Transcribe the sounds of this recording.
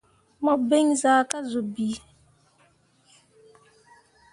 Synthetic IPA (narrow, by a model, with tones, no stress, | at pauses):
mɔ˨be˦ŋzaː˨˦ka˦zo˨bi˨˦